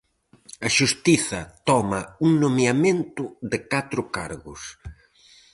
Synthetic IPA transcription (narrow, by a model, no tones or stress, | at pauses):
ɐʃust̪iθɐt̪ɔmɐuŋnomjɐmẽnt̪ʊðɪkat̪ɾʊkaɾɣʊs